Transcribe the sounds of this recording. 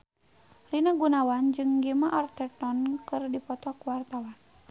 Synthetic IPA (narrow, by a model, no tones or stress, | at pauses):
rinaɡunawand͡ʒɨŋɡɛmaʔart̪ɛrt̪ɔnkɨrdipɔt̪ɔkuwart̪awan